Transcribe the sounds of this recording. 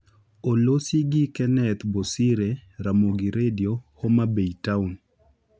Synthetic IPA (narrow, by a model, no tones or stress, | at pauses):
olosiɡikɛnɛt̪bosiɾeɾamoɡiɾediohomabejtaun